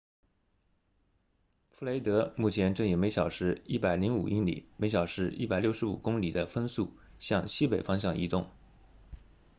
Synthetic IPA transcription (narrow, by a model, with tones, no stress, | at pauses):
fu˥˩le˧˥ɪt̪ɤ˧˥mu˥˩t͡ɕʰjɛ˧˥nʈ͡ʂɤ˥˩ŋi˨˩me˧˥ɪɕjɑ˨˩ʊʂɻ̩˧˥i˥˩pa˨˩ɪli˧˥ŋu˨˩ʔi˥ŋlḭ˨˩˦me˧˥ɪɕ̬jɑ˨˩ʊʂɻ̩˧˥i˥˩pa˨ɪljo˥˩ʊʂɻ̩˧˥ṵ˨˩kʊ˥ŋli˨˩d̪ə˦fə˥nsu˥˩ | ɕjɑ˥˧ŋɕi˥pe˨˩ɪfɑ˥ŋɕ̬jɑ˥˩ŋi˧˥t̪ʊ˥˩ŋ